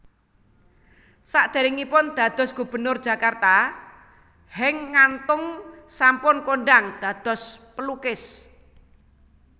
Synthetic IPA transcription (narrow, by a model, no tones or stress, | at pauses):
saʔd̪̥e̤ɾɪŋipʊnd̪̥ä̤d̪̥ɔ̤sɡ̥ṳb̥ə̤nʊrd̥ʒ̥a̤kart̪a | hɪŋːant̪ʊŋsampʊnkoɳɖaŋd̪̥ä̤d̪̥ɔ̤spəlukɪs